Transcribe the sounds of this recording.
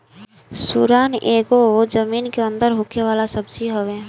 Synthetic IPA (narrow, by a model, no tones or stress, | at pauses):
suɾaːnʔeːɡod͡ʒəmiːnkeə̃nd̪əɾɦʊkeʋaːlasəbsiɦoʋe